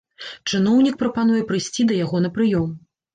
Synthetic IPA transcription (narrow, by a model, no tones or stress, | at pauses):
t͡ʂɨnɔwnʲik̚pɾɐpan̪ujɛpɾɨjsʲt͡sʲid̪ɐjaɣɔn̪ɐpɾɨjɔm